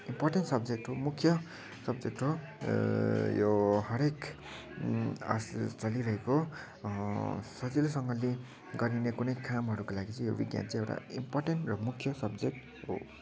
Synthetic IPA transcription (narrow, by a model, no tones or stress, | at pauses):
imporʈenʈsʌb̚d͡zek̚ʈɦomukʰjʌ | sʌbd͡zek̚ʈɦo | joɦʌɾek | a̰st͡sʌliɾʌɦeko | sʌd͡zilsʌŋɡʌli | ɡʌɾinekunʌjkamɦʌɾukolaɡit͡sʌ̃jobiɡja̰nt͡sʌ̃ewʈa̰ḭmporʈenʈrʌmukʰjʌsʌbd͡zek̚ʈ | ɦo̰